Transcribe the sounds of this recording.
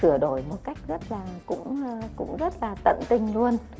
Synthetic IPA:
ɨ˧˩əɗo˧˩jmo˨˩t̚ka˦˥jk̟̚zə˦˥t̚laː˨˩kʊ̰˧˥ŋ͡mkʊ̰˧˥ŋ͡mzə˦˥t̚laː˨˩t̪ə̰˧˨nt̪ï˧ŋ̟lu˧ən

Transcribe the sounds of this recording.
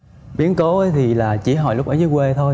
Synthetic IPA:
ɓi˨˦ənko˨˦ʔə˨˦jt̪ʰi˨˩laː˨˩t͡ɕḭ˧˦ɦɔ̰˧˩jlʊ˦˥k͡p̚ʔa˨˦jzɨ˨˦jkwe˧t̪ʰo˧j

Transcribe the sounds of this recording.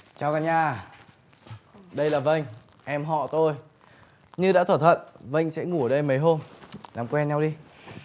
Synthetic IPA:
t͡ɕaː˧˩wkaː˧ɲaː˧˩ | ɗə˧jlaː˨˩və˧˨jŋ̟ | ʔɛ˧mɦɔ̰˧˨t̪o˧j | ɲɨ˧ɗa̰ː˧˥t̪ʰwaː˧˩t̪ʰwə̰˧˨nvə̰˧˨jŋ̟sɛ̰˧˥ŋu˧˩ə˨˩ɗə˧jmə˨˦jɦo˧mlaː˨˩mkwɛ˧nɲa˧wɗi˧

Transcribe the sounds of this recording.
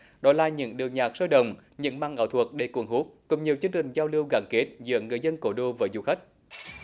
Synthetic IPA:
ɗɔ˨˦laː˨˩ɲɨ̰˧˥ŋɗi˨˩wɲaː˨˩k̚səː˧jɗə̰˧˨wŋ͡mɲɨ̰˧˥ŋma̰ː˧˨ŋʔa̰ː˧˩wt̪ʰwk̚ɗe˧˩kwəŋɦu˦˥k̚kʊ̰˨˧˩ŋ͡mɲi˨˩əwt͡ɕɨ˧ŋt͡ɕï˨˩ŋ̟zaː˧wlɨ˧əwɣa̰ː˧˩ŋke˦˥t̚zɨ̰˧˥əŋːɨ˨˩əjzə˧nko˧˩ɗo˧vəː˨˦jzṵ˨˩xa˦˥k̟̚

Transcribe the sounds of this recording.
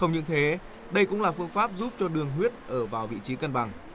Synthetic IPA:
xə˧wŋ͡mɲɨ̰˧˥ŋt̪ʰe˨˦ | ɗə˧jkʊ̰˧˥laː˨˩fɨ˧əŋfaː˦˥p̚zu˦˥p̚t͡ɕɔ˧ɗɨ˨˩əŋɦwi˦˥ət̚ʔəː˧˩vaː˨˩wvḭ˧˨t͡ɕi˨˦kə˧nɓa˨˩ŋ

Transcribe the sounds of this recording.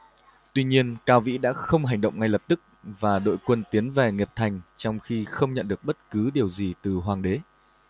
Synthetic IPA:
t̪wi˧ɲi˧ənkaː˧wvḭ˧˥ɗa̰ː˧˥xə˧wŋ͡mɦa˨˩jŋ̟ɗə̰˧˨wŋ͡mŋa˧jlə˨˩p̚t̪ɨ˦˥k̚vaː˨˩ɗo̰˧˨jkwə˧nt̪i˨˦ənvɛ˨˩ŋe˨˩p̚t̪ʰa˨˩jŋ̟t͡ɕɔ˧wŋ͡mxi˧xə˧wŋ͡mɲə̰˧˨nɗɨ˨˩ək̚ɓə˦˥t̚kɨ˨˦ɗi˨˩əwzi˨˩t̪ɨ˨˩ɦwaː˨˩ŋɗe˨˦

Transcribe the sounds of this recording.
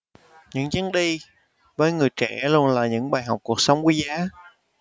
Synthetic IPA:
ɲɨ̰˧˥ŋt͡ɕɨ˨˦nɗi˧ | vəː˨˦jŋɨ˨˩əjt͡ɕɛ̰˧˩lu˧ənlaː˨˩ɲɨ̰˧˥ŋɓaː˨˩jɦa˨˩wk͡p̚ku˨˩ək̚sə˨˦wŋ͡mki˨˦zaː˨˦

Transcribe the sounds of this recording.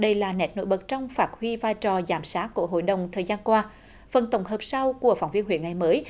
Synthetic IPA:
ɗə˧jlaː˨˩nɛ˨˩t̚no̰˧˥jɓə˨˩t̚t͡ɕɔ˧wŋ͡mfaː˨˩t̚hwi˧vaː˧jt͡ɕɔ˨˩zaː˧˩msaː˨˦˥t̚kːu˧˩əɦo̰˧˨jɗə˨˩wŋ͡mt̪ʰəː˨˩jzaː˧nkwaː˧ | fə˨˩nt̪ə˧˩wŋ͡mɦəː˨˩p̚sa˧wku˧˩əfaː˧˩wŋ͡mvi˧ənhwḭ˧˨ənŋa˨˩jməː˨˦j

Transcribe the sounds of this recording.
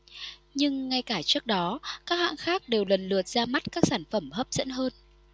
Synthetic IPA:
ɲɨ˧ŋːa˧jkaː˧˩t͡ɕɨ˦˥ək̚ɗɔ˨˦kaː˦˥k̚ha̰ː˧˨ŋxaː˦˥k̚ɗe˨˩wlə˨˩nlɨ˨˩ət̚z̥aː˧ma˦˥t̚kaː˦˥k̚saː˧˩nfə˧˩mɦəː˦˥p̚zə̰˧˥nɦəː˧n

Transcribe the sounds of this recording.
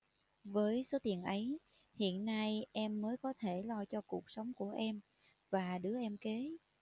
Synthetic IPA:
vəː˨˦jso˨˦t̪i˨˩ənʔə˨˦j | hḭ˧˨ənːa˧jʔɛ˧mːəː˨˦jkɔ˨˦t̪ʰe˧˩lɔ˧t͡ɕɔ˧ku˨˩ək̚sə˨˦wŋ͡mku˧˩əʔɛ˧m | vaː˨˩ɗɨ˨˦əʔɛ˧mke˨˦

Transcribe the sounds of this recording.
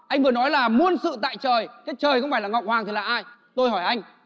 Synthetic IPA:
ʔa˧ŋvɨ˨˩ənɔ˨˦jlaː˨˩mu˧ənsɨ̰˧˨t̪a̰ː˧˨jt͡ɕəː˨˩jkaː˨˦jt͡ɕəː˨˩jxə˧wŋ͡mfaː˧˩jlaː˨˩ŋɔ˨˩wk͡p̚hwaː˨˩t̪ɨ˨˩laː˨˩ʔaː˧j | t̪o˧jɦɔ˧˩jʔa˧jŋ̟

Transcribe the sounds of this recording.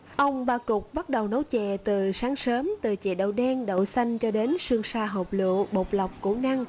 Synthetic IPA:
ʔə˧wŋ͡mɓaː˧kʊ˨˩k͡p̚ɓt̚ɗə˨˩wnə˨˦wt͡ɕɛ̰˧˨t̪ɨ˨˩saː˨˦ŋsəː˨˦mt̪ɨ˨˩t͡ɕḛ˧˨ɗə̰˧˨wɗɛ˧nɗə̰˧˨sa˧jŋ̟t͡ɕɔ˧ɗe˨˦nsɨ˧əŋsaː˧ɦo˨˩k͡p̚lɨ̰˧˨əɓo˨˩k͡p̚la˨˩wk͡p̚ku˧˩˦na˧ŋ

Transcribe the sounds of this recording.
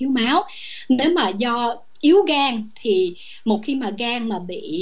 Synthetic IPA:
i˨˦wmaː˨˦wne˨˦wmaː˨˩zɔ˧ | ʔi˨˦əwɣaː˧ŋt̪ʰi˨˩ | mo˨˩t̚xi˧maː˨˩ɣaː˧ŋmaː˨˩ɓḭ˧˨

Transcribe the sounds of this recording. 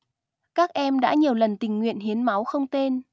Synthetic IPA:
kaː˦˥k̚ʔɛ˧mɗa̰ː˧˥ɲi˨˩əwlə˨˩nt̪ï˨˩ŋ̟ŋwḭ˧˨ənɦi˨˦ənma˨˦wxə˧wŋ͡mt̪e˧n

